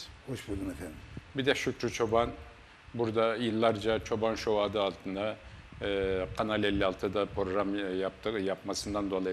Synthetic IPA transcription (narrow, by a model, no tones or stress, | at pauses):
hoʃbulˠd̪unefænd̪ɪbid̪ɛʃykɾyt͡ʃʰo̞ban | buɾd̪ajɯlˠːaɾd͡ʒat͡ʃʰo̞banʃowad̪ɯɑlˠt̪ʰɯnd̪a | qʰɑnalɛlʲːialˠt̪ʰɯd̪apʰɾoɡɾamjap̚t̪ʰɯjapmasɯnd̪and̪o̞lˠa